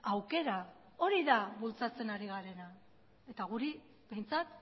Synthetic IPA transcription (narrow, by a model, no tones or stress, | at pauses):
awke̞ɾa | o̞ɾiðaβult͡sat͡se̞naɾiɣaɾe̞na | e̞t̪aɣuɾi | be̞jnt͡sat̪